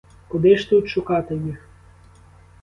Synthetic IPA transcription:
kʊd̪ɪʃt̪ɪʊt̪ʃʊkɑt̪ɪjix

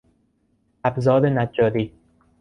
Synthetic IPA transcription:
æbzɒːd̪enæd͡ʒːɒːɾiː

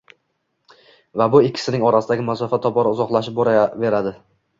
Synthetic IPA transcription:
vabʊɪkʲʰːɪ̥sɪnɪŋɒɾasɪd̪aɡʲɪmasɒfat̪ʰɒpɒɾaʊzɒqlˠaʃ̬ɪp̚boɾave̞ɾad̪ɪ

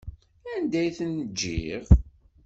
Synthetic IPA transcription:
ænd̪æjθənəd͡ʒːḭʁ

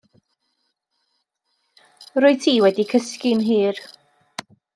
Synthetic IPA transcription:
rʊɨtʰiːwɛdikʰəskɪnɦiːr

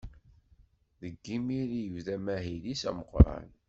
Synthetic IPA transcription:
ðəɡːimiɾijəvðæmæɦilisæ̰məqɾˤɑ̰n

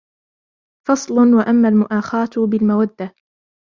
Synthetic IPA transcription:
fɑsˤlʊnwaʔamːaːlmʊʔaːxaːt̪bɪlmawad̪ːa

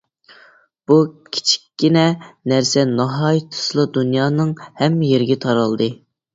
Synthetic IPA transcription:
b̥ukʲʰi̥t͡ʃʰi̥kʲːinɛnæɾsɛnɑɦɑjt̪ʰɨ̥slˠɨd̪unjɑːnɨŋhɛmːɪjeɾɪɡʲɛt̪ʰɑɾɑlˠd̪ɨ

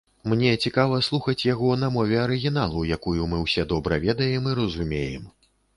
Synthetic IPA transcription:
mnʲɛt͡sʲikavɐslˠuxɐt͡sʲjaɣɔnɐmɔvʲɛɐɾɨɣʲinalˠujakujumɨwsʲɛd̪ɔbɾɐvʲɛd̪ɐjɛmiɾɐzumʲejɛ̰m

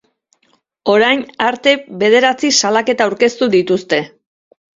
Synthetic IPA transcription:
o̞ɾajnaɾt̪e̞βe̞ð̞e̞ɾat͡sisalake̞t̪aːwɾke̞st̪uðit̪ust̪e̞

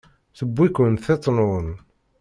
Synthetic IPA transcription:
θəbːikənθet̪ˤːnoən

